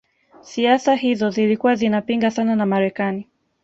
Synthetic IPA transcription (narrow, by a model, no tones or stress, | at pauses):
siasaɦizɔzilikuwazinapiŋɡasananamaɾɛkani